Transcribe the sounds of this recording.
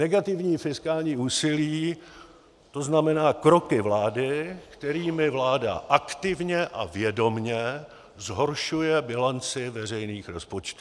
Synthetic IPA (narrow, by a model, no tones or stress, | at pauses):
nɛɡat̪ɪvɲiːfɪskaːlɲiːuːsɪliː | t̪o̞znamɛnaːkɾo̞kɪvlaːdɪkt̪ɛɾiːmɪvlaːda̰ʔakt̪ɪvɲɛʔa̰vjɛdo̞mɲɛ | zɦo̞ɾʃujɛbɪlant͡sɪvɛr̝ɛjniːxɾo̞spot͡ʃt̪uː